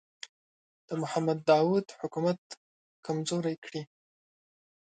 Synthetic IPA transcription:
d̪̥əmʊhamad̪ːɑwud̪hʊkumat̪ | kʰamzoɾajkɽi

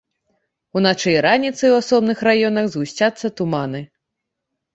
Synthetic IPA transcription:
unat͡ʂɨjɾanʲit̪sɨwasɔbnɨxrajɔnɐɣzɣusʲt͡sʲat̪sːɐt̪umanɨ

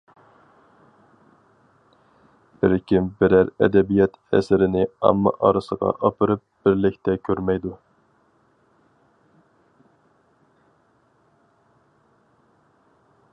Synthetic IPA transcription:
b̥ɪɾkʲʰimbɪɾæɾɛ̰d̪ɛbijɛt̪ɛ̰sɪɾɪnɪɑ̰mːɑ̰ʔɑɾɨsəʁɑ̰ʔɑpɨɾɨp̚b̥ɪɾlɪkʲt̪ʰɛkʲʰøɾmɛjd̪u

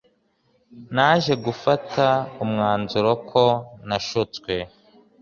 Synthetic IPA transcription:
naːʒe̞ɡufatʰaumŋaːnzuɾokʰo̞naʃut͡skwe̞

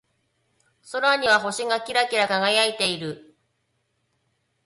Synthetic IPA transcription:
so̞ɾaɲ̟iβaɦo̞ɕiŋakʲiɾakʲiɾakaɡajait̪e̞iɾɯ̟

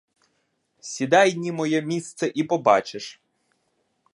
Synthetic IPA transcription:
sʲid̪ɑjnʲimɔjɛmʲist̪sɛʔipɔbɑt͡ʃeʃ

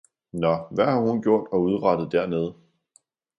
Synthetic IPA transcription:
nɒʋæhɑ̈hunɡ̥jo̝ɐ̰d̥ɒ̽uð̞ˠʁɑ̈d̥ð̩ˠd̥æɐneð̞ˠ

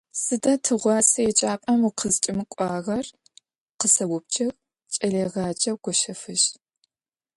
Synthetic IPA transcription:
sɨdɐtʰɨʁʷɑːsɐjɛt͡ʃʼaːpʼɐmwʊqʰəzt͡ʃʼɪmɨkʷʼɑːʁɐr | qəsɐwʊp̚t͡ʃʼɐɣ | t͡ʃʼɐleːʁɑːd͡ʒʼɐwɡʷɔʃɐfɨʃ

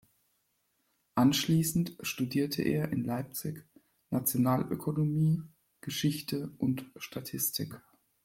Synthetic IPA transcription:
ʔanʃliːsn̩tʃtudiːɐtʰə̰ʔḛːɐʔɪnlaɪp̚t͡sɪç | nat͡sjonaːlʔø̰kʰonomiː | ɡ̥əʃɪçtʰəʔʊntʃtʰatʰɪstʰɪk

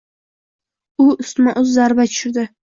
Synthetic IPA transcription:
ʊʊst̪maʔʊzːaɾbat̪ʰʊʃʊɾd̪ɪ

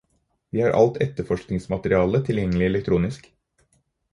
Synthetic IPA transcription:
ʋiːhɑːɾʔɑ̰lt̪ʰɛt̪əɾfɔʂknɪŋsmɑt̪əɾɪɑːlət̪ʰɪljɛŋːəlɪɛlɛk̚t̪ʰɾuːnɪsk

